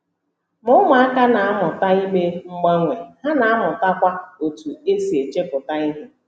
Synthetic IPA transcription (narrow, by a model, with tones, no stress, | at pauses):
mʊ˦ʊ˦ma˨a˦ka˦na˨a˦mʊ˨ta˦i˦me˦ŋ͡m̩˦ɡ͡ba˦ŋʷe˨ha˦na˨a˦mʊ˨ta˦kʷa˦o˨tu˨e˦si˨e˨t͡ʃe˦pʊ˨ta˦ɪ˦ɦɪ˦